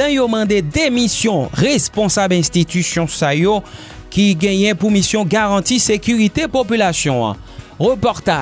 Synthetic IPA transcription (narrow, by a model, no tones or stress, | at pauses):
ɛ̃jomɑ̃d̪ed̪emisjɔ̃ʁespɔ̃sabɛ̃st̪it̪ysjɔ̃sajo | kiɡɛ̃jɛ̃pumisjɔ̃ɡaʁɑ̃t̪isekʲyʁit̪epopylasjɔ̃a̰ | ʁəpɔʁt̪a